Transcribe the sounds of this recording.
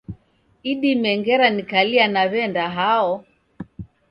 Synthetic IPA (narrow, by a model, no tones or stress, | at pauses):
iɗimɛŋɡɛɾanikalianaβɛndaɦaɔ